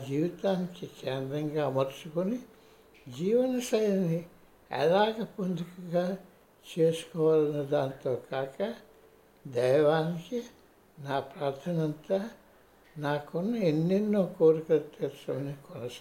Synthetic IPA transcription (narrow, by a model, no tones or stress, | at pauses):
d͡ʒiːʋit̪aːnikikeːnd̪ɾɐŋɡaːmɐɾt͡ʃukoni | d͡ʒiːʋɐnɐsɐjɐni | ɛ̰laːɡɐpond̪ʱukɐɡaː | t͡ʃeːsu̥kɔʋaːlɐnɐd̪aːnt̪oːkaːkɐ | d̪ɛjʋaːniki | naːpɾaːɾt̪ʰɐnɐnt̪ɐ | naːkonːɐenːenːoːkoːɾukɐt̪ːeːsɐmɐnikɔnɐs